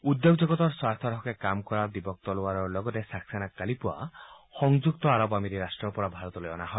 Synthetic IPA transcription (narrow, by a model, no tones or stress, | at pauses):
ud̪joɡd͡ʒɔɡɔt̪ɔɾswast̪ʰɔɾɔkekamkɔɾad̪ibɔk̚t̪ɔluaɾɔɾlɔɡɔt̪esaksanakalipua̰xɔŋd͡ʒukt̪ɔaɾɔbamiɾiɾasʈɾɔpɔɾabʱaɾɔt̪ɔleɔnaɦɔe